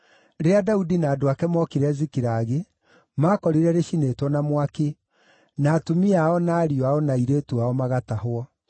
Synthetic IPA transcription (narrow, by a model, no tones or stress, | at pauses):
ɾeadaudinaːdoakɛmɔkeɾɛzikiɾaɣe | maːkɔɾiɾɛɾeʃinetwɔnamwake | naːtomiaɔnaːɾiɔaɔnaiɾeːtuaɔmaɣatahwɔ